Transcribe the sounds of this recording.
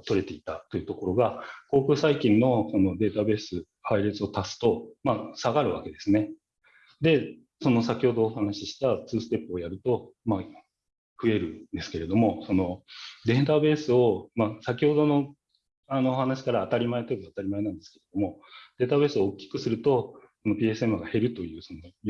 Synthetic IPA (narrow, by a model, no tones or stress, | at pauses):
t̪o̞ɾe̞t̪e̞it̪at̪o̞jiɯ̟t̪o̞ko̞ɾo̞ɡako̞ːkɯ̟ːsaikʲĩnːo̞so̞no̞d̪e̞ːt̪abe̞ːsɨ | haiɾet͡sɨo̞t̪asɨ̥t̪o̞maːsaɡaɾɯ̟βa̰ke̞d̪e̞sɨne̞ | d̪e̞ | so̞no̞sakʲiho̞d̪o̞ːhanaɕiɕi̥t̪at͡sɨːsɨ̥t̪e̞pːɯojaɾɯ̟t̪o̞ma | ɸɯ̟e̞ɾɯ̟nd̪e̞sɨ̥ke̞ɾe̞d̪o̞mo̞so̞no̞d̪ẽ̞nt̪abe̞ːsɨo̞masak̬ʲiho̞d̪o̞no̞ | ano̞ːhanaɕi̥kaɾaːt̪aɾʲimaet̪ooat̪aɾʲimaenãnd̪e̞sɨ̥ke̞ɾe̞d̪o̞mo̞d̪̥e̞ːt̪aβe̞ːsɨoːkʲːi̥kɯ̟sɨɾɯ̟t̪o̞so̞no̞pʲiːe̞sɨe̞mɯ̟ɡahe̞ɾɯ̟t̪o̞jɯ̟ːso̞no